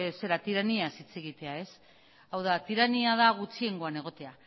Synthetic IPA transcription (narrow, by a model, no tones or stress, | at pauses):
se̞ɾat̪iɾaniasit͡se̞ɣ̞it̪e̞ae̞s | awðat̪iɾaniað̞aɣut͡sie̞ŋɡo̞aneɣ̞o̞t̪e̞a